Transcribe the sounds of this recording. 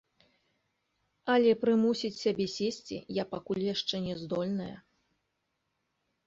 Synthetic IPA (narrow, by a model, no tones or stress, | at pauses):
ɐlʲɛpɾɨmusʲit͡sʲsʲabʲɛsʲesʲt͡sʲḭjapakulʲjaʂt͡ʂɛnʲɛzd̪ɔlʲnɐjɐ̰